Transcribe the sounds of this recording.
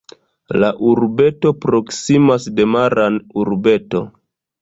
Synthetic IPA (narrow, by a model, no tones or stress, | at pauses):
laʔuɾbe̞to̞pɾo̞ksimasde̞maɾanuɾbe̞to̞